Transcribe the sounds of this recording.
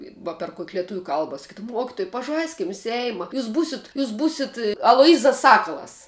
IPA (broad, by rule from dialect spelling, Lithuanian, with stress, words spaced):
ʋɐ pʲɛr koːkʲ lʲɛˈtʊʋʲuː ˈkɐlˠbɐ sɐˈkʲiːdɐʋʊm ˈmuɔkʲɪtʊj pɐˈʒɐɪsʲkʲɪm ˈsʲɛɪmɐ ˈjuːs ˈbuːsʲɪt ˈjuːs ˈbuːsʲɪt ɐlˠoːˈjiːzɐs ˈsɑːkɐlˠɐs